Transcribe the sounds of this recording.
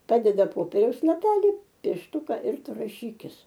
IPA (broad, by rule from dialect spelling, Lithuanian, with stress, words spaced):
ˈpɑːdʲɛdɐ ˈpoːpʲɛrʲɛʊs lˠɐˈpʲæːlʲɪ pʲiɛʃˈtʊkɐ ɪr ˈtʊ rɐˈʃʲiːkʲɪs